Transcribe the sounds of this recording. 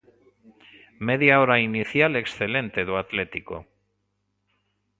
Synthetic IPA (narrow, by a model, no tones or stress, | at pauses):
meðjaoɾainiθjale̞ksθele̞nt̪e̞ðoat̪le̞t̪iko̰